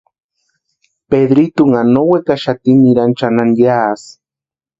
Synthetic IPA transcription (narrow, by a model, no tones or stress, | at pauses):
peðɾit̪uŋanowekaʃat̪imiɾant͡ʃananjaːs